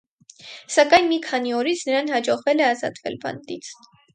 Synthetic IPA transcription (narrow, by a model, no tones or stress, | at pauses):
sɑkɑjnmikʰɑniɔɾit͡sʰnəɾɑnhɑd͡ʒɔʁvɛlɛɑzɑ̰t̪vɛlbɑ̰nt̪it͡sʰ